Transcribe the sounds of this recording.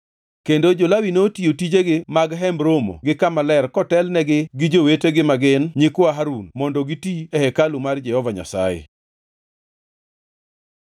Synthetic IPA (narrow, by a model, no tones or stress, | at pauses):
kendod͡ʒolawinotiotid͡ʒeɡɪmaɡɦɛmɾomo̰ɡɪkamalɛrkɔtɛlnɛɡɪɡɪd͡ʒoweteɡɪmaɡɪnɲɪkwaɦaɾunmɔndɔɡitiɛhɛkalumard͡ʒɛhɔvaɲa̰sa̰jḛ